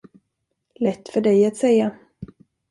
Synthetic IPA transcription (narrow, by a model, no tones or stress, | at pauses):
lɛt̪ːfœɖɛjat̪sɛjːa